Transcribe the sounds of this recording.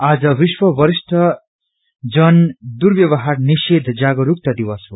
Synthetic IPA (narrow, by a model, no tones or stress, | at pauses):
ad͡zʌbiswʌbʌɾist̪ʰʌ | d͡zʌnd̪uɾbjʌβʌɦarnised̪ʱd͡zaɡʌɾuk̚t̪ʌd̪iwʌsɦo